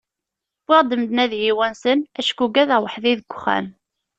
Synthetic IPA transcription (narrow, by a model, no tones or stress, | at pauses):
wɪʁd̪əmd̪næðjiwænsənæʃkuɡæðəwəħðiðəɡʷχæ̰m